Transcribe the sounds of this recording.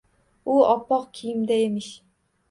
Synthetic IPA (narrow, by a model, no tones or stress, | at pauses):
ʊɒpːɒqkʲʰijɪmd̪aemɪʃ